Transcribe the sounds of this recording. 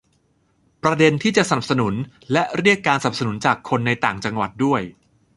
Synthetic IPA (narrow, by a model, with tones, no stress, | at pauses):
pɾa˧de˧nt̪ʰiː˥˩t͡ɕa˨˩ʔsa˧na˨˩p̚sa˧nu˩˦n | lɛ˦˥ʔɾi˥˩əkːaː˧nsa˨na˨˩p̚sa˧nu˩˦nt͡ɕaː˨˩kʰːo˧nːa˧jt̪aː˨˩ŋt͡ɕa˧ŋwa̰˨˩t̪̚du˥˩əj